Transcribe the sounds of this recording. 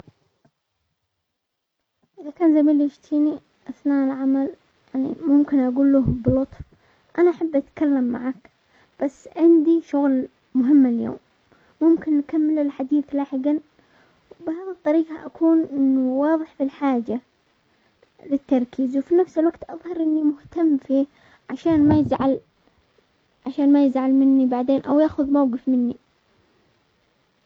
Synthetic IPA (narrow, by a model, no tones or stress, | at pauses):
ʔɪðakaːnzamiːlɪʃt̪ʰiːni | ʔaθnaːʔlʕamal | jaʕnḭmʊmkɪnʔaɡuːlːuhblʊt̪ˤff | ʔanaʔaħabːʔat̪kalːamːa̰ʕak | b̥asːʕɪnd̪iʃʊɣl | mʊɦɪmːaljo̰ːmː | ʊmkɪnːkamːɪlɪlħad̪iːθlaːħɪɡan | wbʕðɑt̪ˤːɑɾiːqa̰ʔakʰuːnʔɪnːuwɑːðˤɨħfilħaːd͡ʒa | lɪt̪ːɑɾˤkʰiːzwfinafsɪlwaɡt̪ʔɑðˤhɑɾˤʔɪnːimʊht̪amːfiː | ʕaʃaːnmajɪzʕal | ʕaʃaːnmajɪzʕalmɪnːibaʕd̪eːnʔa̰wjaːxʊðmawɡɨfmɪnːi